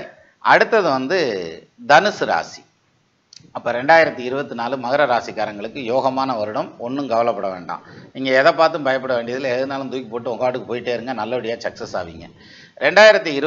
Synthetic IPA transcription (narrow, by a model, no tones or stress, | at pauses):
ɾi | ʔɐɽɯt̪ːɐðɯʋɐnd̪ɯ | d̪ɐnɯsɯɾa̰ːsi̥̰ | ɐpːoːɾɛɳɖaːjɪɾɐt̪ːiɪɾɯbɐt̪ːɯnaːlɯmɐɣɐɾɐɾaːsikːaːɾɐŋɡɐɭɯkːɯjoːɣɐmaːnɐʋɐɾɯɽɐmɔnːɯmɡɐʋɐlɐpːɐɽɐʋḛːɳɖã̰ːɪŋɡeɛðɐːpːaːɾt̪ɯmbɐjɐp̬ːɐɽɐʋeːɳɖɪɐðɪlɛðɯnaːlɯmd̪uːjkːipoːʈːɯɔŋɡaːʈːɯkːɯpoːjɪʈːeːɪɾɯŋɡɐnɐlːɐʋɐɽɪjaːsɐksɐsa̰ːʋḭːŋɡɐ̰ | ɾɛɳɖaːjɪɾɐt̪ːiɪɾɯ